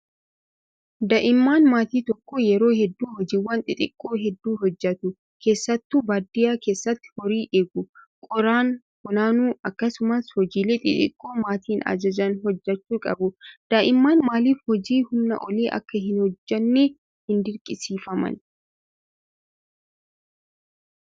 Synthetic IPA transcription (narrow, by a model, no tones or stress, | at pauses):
d̪aʔɪmːaːnmaːt̪iːt̪ɔkːoːjɛɾo̞ːhɛd̪ːuːhɔd͡ʒiːwːɐnt̪ʼɪt̪ʼɪkʼːo̞ːɦɛd̪ːuːɦɔd͡ʒːɐt̪ʊ | kʰe̞ːsːɐt̪ːubaːd̪ɪjaːke̞ːsːɐt̪ːɪ̥hɔɾiːʔeːɡʊ | kʼɔɾaːn | kʊnaːnuːɐkːɐsʊmɐshɔd͡ʒiːleːt̪ʼɪ̰t̪ʼɪ̰kʼːo̞ːmaːt̪ʰiːnɐ̰d͡ʒɐd͡ʒɐnɦɔd͡ʒːɐt͡ʃːuːkʼɐ̰bʊd̪̥ɐʔɪmːaːnmaːliːfhɔd͡ʒiːhʊmnɐ̰ʔɔliːʔɐ̰kːɐɦɪnhɔd͡ʒːɐnːeː | hɪnd̪ɪɾkʼɪsiːfɐmɐ̰n